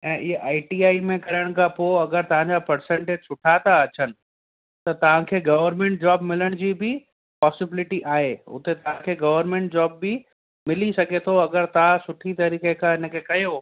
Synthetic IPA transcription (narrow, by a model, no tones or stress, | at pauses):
ɛ̃ːʔɪeʔaːɪʈiːaːimẽkɐɾəɽ̃kʰapoɐɡəɾt̪ɐʋ̤ãɲd͡ʑapɐɾsẽɳʈeːd͡ʑsʊʈʰat̪aɐt͡ɕənɪ̆ | t̪ɐt̪ɐʋ̤ãkʰeːɡɐʋəɾmẽɳʈ̚d͡ʑɔːbmɪləɽ̃d͡ʑiːbʱɪ | pɔːsɪbɪlɪʈiʔaːɦeʊ̰t̪et̪ɐʋ̤ãkʰeːɡɐʋəɾmẽɳʈ̚d͡ʑɔːbːɪ | mɪlisɐɡet̪ʰoɐɡəɾt̪ɐasʊʈʰit̪ɐɾiːkekaɪnə̆kʰeːkɐjo